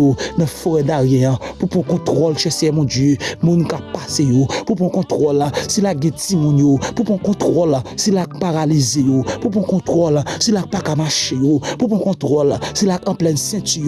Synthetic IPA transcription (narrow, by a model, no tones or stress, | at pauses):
onɐ̃foʁɛdaʁjɛ̃ɐ̃pupʁɔ̃kɔ̃t̪ʁɔlʃɛsɛmɔ̃djømũnkapasejopupʁɔ̃kɔ̃t̪ʁɔlasilak̚ɡɛ̃timũnjopupʁɔ̃kɔ̃t̪ʁɔlsilak̚paʁalizejopupɔ̃kɔ̃t̪ʁɔlsilak̚pakamaʃejopupʁɔ̃kɔ̃t̪ʁɔlsilakɐ̃plɛnsɛ̃ty